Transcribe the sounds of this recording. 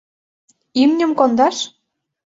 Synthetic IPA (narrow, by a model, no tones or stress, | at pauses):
imnʲə̆mkond̪ɑʃ